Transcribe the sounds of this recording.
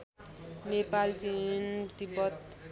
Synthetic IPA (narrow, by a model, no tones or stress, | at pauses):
nepalt͡sint̪ibʌt̪